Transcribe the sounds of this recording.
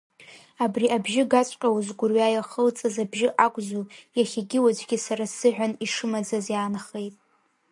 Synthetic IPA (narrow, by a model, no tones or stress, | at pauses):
abriʔabʒɪɡat͡sʷʼqʲʼawzɡʷʊrɥaːjaχəlt͡sʼazabʒɪʔakʷʼzuljaχʲaɡʲɪwad͡ʒʷʼɡʲɪsaɾasɨʕʷᶣaniʂɨmad͡zazjaːnχejtʼ